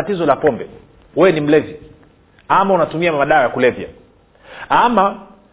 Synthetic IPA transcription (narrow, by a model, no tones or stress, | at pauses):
atizɔlapɔmbɛ | wɛɛnim̩lɛvi | amaunatumiamaɗaɾakulɛvja̰ | ama